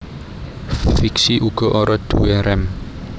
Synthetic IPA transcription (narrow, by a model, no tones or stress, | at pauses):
fiksiʔuɡ̥ɔ̤ʔɔɾɔd̪̥uɛɾɛm